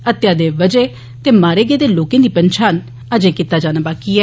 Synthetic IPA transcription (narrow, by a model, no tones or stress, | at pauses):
ət̪jaːd̪eːʋəd͡ʒeː | t̪eːmaːɾeːɡeːd̪eːloːkẽːd̪iːpənt͡ʃʰaːn | əd͡ʒẽːkit̪aːd͡ʒaːnaːbaːkiːɛː